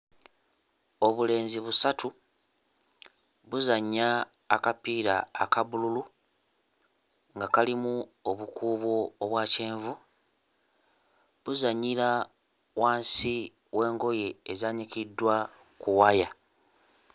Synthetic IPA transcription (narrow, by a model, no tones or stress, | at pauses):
o̞βule̞ːnziβusatʰu | βuzaɲːaː | kapiːɾaːkaβululu | ŋɡakalimuoβukuːβoːβwaːceːɱvu | βuzaɲːiɾa | waːnsi | wʔe̞ːŋɡo̞je̞ːzaɲikidːwa | kuwaja